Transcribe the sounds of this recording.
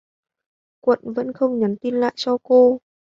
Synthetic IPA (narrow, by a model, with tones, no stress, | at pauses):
kwə̰˧˨nvə̰˧˥nxə˧wŋ͡mɲə˨˦nt̪i˧nla̰ː˧˨jt͡ɕɔ˧ko˧